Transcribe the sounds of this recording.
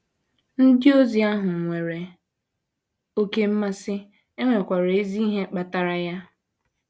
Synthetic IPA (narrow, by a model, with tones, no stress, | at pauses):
n̩˦dɪ˦o˦zi˨a˦ɦʊ˨ŋ̩˨ŋʷe˨ɾe˨ | o˦ke˦m̩˦ma˦sɪ˦ | e˦ŋʷe˨kʷa˨ɾe˨e˦zi˦i˦ɦe˦k͡pa˨ta˨ɾa˨ja˦